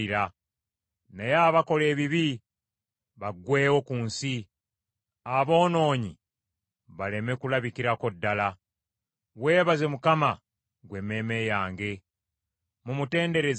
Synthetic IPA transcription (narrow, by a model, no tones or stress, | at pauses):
iɾa | nejaːβako̞le̞ːβiβi | βaɡwe̞ːwo̞kuːnsi | aβo̞ːno̞ːɲi | βale̞me̞kulaβikiɾako̞dːala | we̞ːβaze̞mukama | ɡwe̞mːe̞me̞jaːŋɡe̞ | mumute̞ːnde̞ɾe̞z